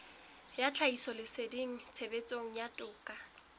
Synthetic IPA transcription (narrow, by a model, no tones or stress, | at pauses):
jat͡ɬʰaisɔlɪsediŋ̩t͡sʰebet͡sʼoŋ̩jatʼʊːkʼa